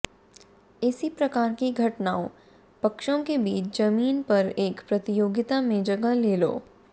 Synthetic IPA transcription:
ɪsipɾɐkaːɾkiɡʱɐʈnaːõ | pɐkʃõkebiːt͡ʃd͡ʒɐmiːnpɐɾeːkpɾɐt̪ɪjoːɡɪt̪amẽd͡ʒɐɡəleːlo̰ː

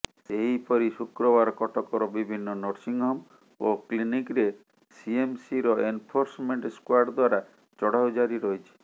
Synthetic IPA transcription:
seɦipɔɾisukɾɔbaɾɔkɔʈɔkɔɾɔbibʱinːɔnɔɾsiŋɦɔm | oklinikɾe | siemsiɾɔenpʰoɾsmeɳʈskwaɾɖd̪waɾa | t͡ʃɔɽawd͡ʒaɾiɾɔɦit͡ʃʰi̥

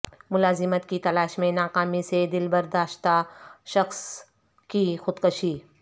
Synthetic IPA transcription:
mʊlaːzɪmət̪kit̪ɐlaːʃmẽnaːkaːmised̪ɪlbɐɾd̪aːʃt̪aʃɐxs | kixʊd̪kəʃiː

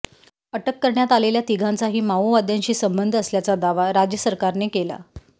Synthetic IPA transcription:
əʈəkːəɾɳjat̪aleljat̪iɡʱant͡saɦiːmauʋad̪ʱjaɲt͡ɕiːsəmbənd̪ʱəsljat͡sad̪aʋaɾad͡ʑjəsəɾkaɾnekela̰

